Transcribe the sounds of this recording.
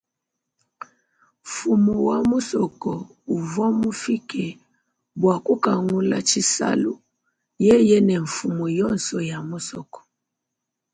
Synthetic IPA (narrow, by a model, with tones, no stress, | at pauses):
ɱ̩˨fu˨mu˨wa˨mu˦sɔ˨kɔ˨ | u˨vɔ˦mu˦fi˦kɛ˨ | bwa˨ku˦ka˨ŋu˦la̰˦t͡ʃi˦sa̰˦lu˦ | jɛ˦jɛ˦nɛ˨ɱ̩˨fu˨mu˨jɔ˦˨nsɔ˨ja˨mu˦sɔ˨kɔ̥˨